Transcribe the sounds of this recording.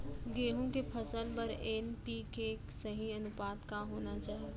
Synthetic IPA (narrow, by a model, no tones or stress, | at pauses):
ɡeːɦũkepʰɐsəlbɐɾeːnpiːkeksɐɦiɐnʊpaːt̪kaɦoːnat͡ʃaːɦi